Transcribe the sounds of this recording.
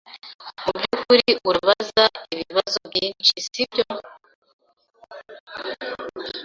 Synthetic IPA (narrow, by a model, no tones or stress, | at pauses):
ubɟuːkuɾiʔuɾuβazaiβiβazobjiːnt͡ʃisibɟo